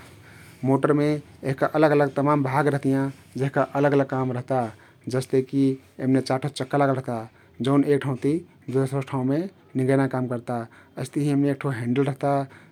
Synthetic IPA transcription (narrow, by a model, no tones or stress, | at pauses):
moʈəɾmeeɦikaʔələɡələɡ̚t̪əmambʱaɡɾəɦt̪ijãd͡ʒeɦikaʔələɡələɡ̚kamɾəɦt̪a | d͡ʒəst̪eki | emnet͡ʃaʈʰot͡ʃəkːalaɡəlɾəɦt̪a | d͡ʒəʊnek̚ʈʰaũt̪i | d̪ut̪osʈʰaũme | niŋɡənakamkəɾt̪aəst̪iɦĩəmneek̚ʈʰoɦẽɳɖəlɾəɦt̪a